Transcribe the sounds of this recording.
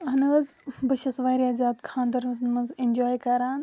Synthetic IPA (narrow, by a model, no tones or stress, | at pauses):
ɦɐnɐzbɐʃɐsʋaːɾiaːzaːd̪kʰãːnd̪ɐɾmɐznmɐnzend͡ʒoːjkɐɾaːn